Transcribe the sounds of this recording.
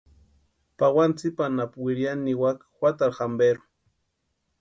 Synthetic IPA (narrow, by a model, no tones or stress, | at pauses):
pawant͡sipanapwiɾjanːiwakxwʷat̪aɾxambeɾʊ̥